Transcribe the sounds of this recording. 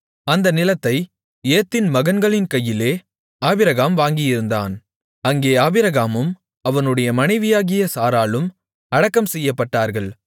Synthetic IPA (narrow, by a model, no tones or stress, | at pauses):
ɐnd̪ɐnɪlɐt̪ːɐɪ | eːt̪ːɪnmɐɣɐnɡɐɭɪnkɐjːɪleː | aːbɪɾɐɣaːmʋaːŋɡɪjɪɾɯnd̪a̰ːn | ɐŋɡeːaːbɪɾɐɣaːmɯm | ɐʋɐnɯɽɐjɐmɐnɐɪʋɪjaːɣɪjɐsaːɾaːlɯm | ɐɽɐkːɐmsɛjːɐpːɐʈːaːɾɣɐɭ